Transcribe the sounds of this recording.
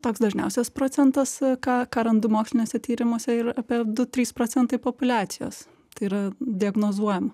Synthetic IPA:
t̪oːksd̪ɐʒʲnʲɛʊsʲɛspɾoːt͡s̪ʲɛnt̪ɐskɑːkɑːɾɐnd̪ʊmoːkslʲɪnʲoːsʲɛt̪ʲiːɾʲɪmuɔsʲɛɪɾɑːpʲiɛd̪ʊt̪ʲɾʲiːspɾoːt͡ssʲɛnt̪ɐɪpopʊlʲɑːt̪sʲɪjo̰ːs | t̪ɐɪiɾɐd̪ʲɪɐɡnoːzuɔjɛm

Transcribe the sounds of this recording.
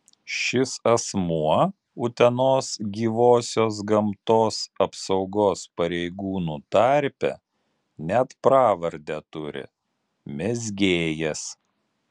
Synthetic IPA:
ʃʲɪsɐsmuɔ | ʊt̪ʲɛnoːsɡʲiːʋoːsʲoːs̬ɡɐmt̪oːsɐpsɐʊɡoːspɐɾʲɛɪɡuːnuːt̪ɐɾʲpʲɛ̰ | nʲæt̪pɾɑːʋɐɾʲd̪ʲɛt̪ʊɾʲɪ̰ | mʲɛzʲɡʲeːjɛs

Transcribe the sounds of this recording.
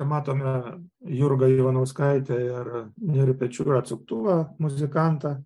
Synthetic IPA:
kʲɛmɑːt̪oːmʲɛjʊɾɡɐiʋɐnɐʊskɐɪt̪ʲɛɪrnʲɛɾʲpʲɛt͡ʃʲuːɾɐɐt̪sʊk̚t̪uʋɐmʊzʲɪkɑnt̪ɐ

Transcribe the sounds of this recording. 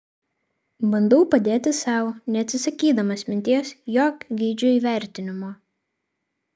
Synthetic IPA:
bɐnd̪ɐʊpɐd̪ʲeːt̪ʲɪsɑˑʊnʲɛɐt̪ʲsʲɪsɐkʲiːd̪ɐmɐsʲmʲɪnʲt̪ʲiɛsjoːkɡʲiːd͡ʒʲʊiːʋʲæˑɾʲt̪ʲɪnʲɪmoː

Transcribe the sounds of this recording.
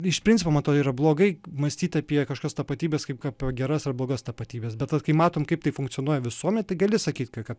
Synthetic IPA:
ɪʃppʲɾʲɪnʲt͡sʲɪpoːmɐnt̪oːiːɾɐblˠoːɡɐɪmɐsʲt̪ʲiːt̪ʲɐːpʲiɛkɐʃkʲoːst̪ɐpɐt̪ʲiːbʲeːskɐɪpkɑpoɡʲɛɾɐsɐrblˠoːɡɐst̪ɐpɐt̪ʲiːbʲeːsbʲɛt̪ɐkɐɪmɑːt̪oːmkɐɪp̚t̪ɐɪfʊŋkt͡ssʲɪonuɔjɛʋʲɪsuɔmʲɛnʲt̪ɐɪɡɐlʲɪsɐkʲiːt̪ʲkɐkɐt̪

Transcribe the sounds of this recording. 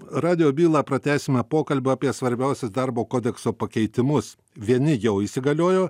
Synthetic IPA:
ɾɑːd̪ʲɪjoːbʲiːlˠɑːpɾɐt̪ʲæːsʲɪmʲɛpoːkɐlʲbʲʊɐpʲiɛsʋɐɾʲbʲæˑʊsʲʊsd̪ɐɾboːkoːd̪ʲɛksoːpɐkʲɛɪt̪ʲɪmʊs | ʋʲiɛnʲɪjɛʊisʲɪɡɐlʲoːjoː

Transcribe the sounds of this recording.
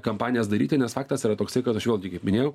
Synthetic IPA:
kɐmpɑːnʲɪjɛsd̪ɐɾʲḭːt̪ʲɪnʲɛsfɑːkt̪ɐsiːɾɐt̪oːksɐɪkɐt̪ɐʃʋʲeːlˠɡʲɪkɐɪpmʲɪnʲeːjɛʊ

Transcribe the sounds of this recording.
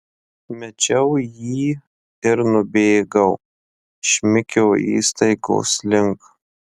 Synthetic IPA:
mʲɛt͡ʃʲɛʊjiː | ɪɾnʊbʲeːɡɐʊ | ʃʲmʲɪkʲɛːḭːst̪ɐɪɡo̰ːslʲɪŋk

